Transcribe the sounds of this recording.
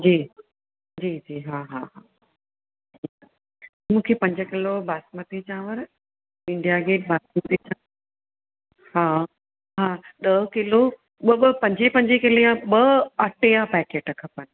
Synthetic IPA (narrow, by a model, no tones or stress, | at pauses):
d͡ʑiː | d͡ʑiːd͡ʑiːɦaːɦaɦa | d͡ʑd͡ʑiːa | mũːkʰepɐ̃ɲd͡ʑəkɪlobʱaːsmət̪it͡ɕʰãːʋəɾ | ɪ̃ɳɖijaɡeːʈ̚baːsmət̪it͡ɕʰã | haː | ɦaːɗəkɪlo | ɓəbpɐ̃ɲd͡ʑipɐ̃ɲd͡ʑikɪlijãɓəɐʈejãpɛːkeːʈɐkʰɐpənɪ̆